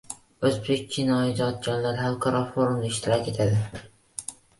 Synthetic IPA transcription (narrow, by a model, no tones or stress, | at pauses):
ɵzbek̚ʲt͡ʃʰɪnɒjɪd̪ɒt̪̚d͡ʒɒnlaɾhalˠqʰaɾɒfoɾumaɪʃt̪ʰɪɾɒkʲe̞t̪ʰad̪ɪ